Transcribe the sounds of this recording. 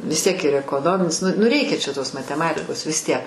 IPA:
ʋʲɪs tʲiɛk ɪr ɛkoːˈnoːmʲɪnʲɪs ˈnʊ nʊ ˈrʲɛɪkʲɛ t͡ʃʲɛ toːs mɐtʲɛˈmɑːtʲɪkoːs ʋʲɪs ˈtʲiɛk

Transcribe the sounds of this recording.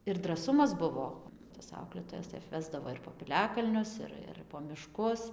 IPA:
ɪr drɐˈsʊmɐs ˈbʊʋoː tɐs ˈɐʊklʲeːtoːjɛs tɐɪ ɐpʲˈʋʲæːzdɐʋoː ɪr poː pʲɪˈlʲæːkɐlʲnʲʊs ˈɪr ɪr poː mʲɪˈʃkʊs

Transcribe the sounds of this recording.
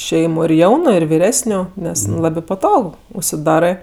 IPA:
ˈʃʲɛɪmʊ ɪr ˈjɛʊnʊ ɪr ʋʲɪˈrʲæːsʲnʲʊ ˈnʲɛs ˈlˠɑːbʲɪ pɐˈtoːk ʊʃʲsʲɪˈdɑːrɜ

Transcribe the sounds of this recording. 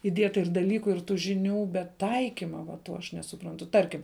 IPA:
ɪˈdʲiɛtɐ ɪr dɐˈlʲiːkʊ ɪr tuː ʒʲɪˈnʲuː bʲɛt ˈtɐɪkʲɪmɐ ʋɐ ˈtoː ɐʃ nʲɛsʊˈprɐntʊ ˈtɐrʲkʲɪm

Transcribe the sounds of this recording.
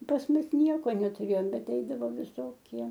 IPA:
pɐs ˈmʊs ˈnʲiɛkoː nʲɛtʊˈrʲeːjoːm ˈbʲɛt ˈɛɪdɐʋoː ʋʲɪˈsoːkʲiɛ

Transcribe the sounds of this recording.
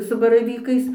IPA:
sʊ bɐrɐˈʋʲiːkɐɪs

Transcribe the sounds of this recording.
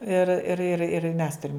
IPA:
ɪr ɪr ɪr ɪr mʲɛs ˈtʊrʲɪm

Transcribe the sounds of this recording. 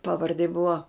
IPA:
ˈpɑːˈʋɐrʲdʲeː ˈbʊʋɐ

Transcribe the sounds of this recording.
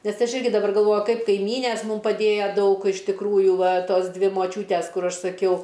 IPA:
nʲɛs ˈɐʃ ˈɪrʲɡʲɪ dɐˈbɐr ɡɐlˠˈʋoːjʊ ˈkɐɪp kɐɪˈmʲiːnʲeːs ˈmʊm pɐˈdʲeːjoː ˈdɐʊk ɪʃ tʲɪkˈruːjʊ ˈʋɐ ˈtoːs ˈdʲʋʲɪ moːˈt͡ʃʲuːtʲɛs ˈkʊr ˈɐʃ sɐˈkʲɛʊ

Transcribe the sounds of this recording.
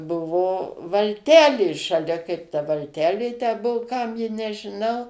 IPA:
ˈbʊʋoː ʋɐlʲˈtʲæːlʲeː ʃɐˈlʲɛ kɐɪp tɐ ʋɐlʲˈtʲæːlʲeː tʲæː ˈbuɔ ˈkɐm jɪ nʲɛʒʲɪˈnɐʊ

